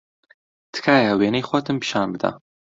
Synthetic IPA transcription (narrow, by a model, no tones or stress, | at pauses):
t̪ʰɨ̥kʰaːjaweːnejxʷɔt̪ɨmpʃaːnbɨd̪a̰